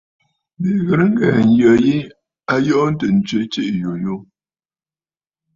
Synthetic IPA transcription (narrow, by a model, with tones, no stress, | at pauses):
be˨ɣə˨ɾŋ̩˦ɡa˨n˨jə˨ji˦ | a˦jɔ˦n̩˦tə˨n̩˨t͡ʃɥe˨˦t͡ʃe˦ʔjo˨jo˦